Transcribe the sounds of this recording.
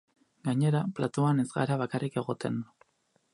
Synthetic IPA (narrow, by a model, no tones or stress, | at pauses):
ɡaɲe̞ɾaplat̪oane̞zɣa̰ɾaβakarike̞ɣo̞t̪e̞n